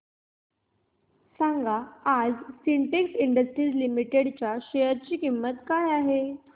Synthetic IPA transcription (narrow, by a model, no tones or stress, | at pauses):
saŋɡaad͡zsiɳʈeksiɳɖəsʈɾiːslimiʈeɽt͡ɕjaɕejəɾt͡ɕiːkimːət̪kajaɦe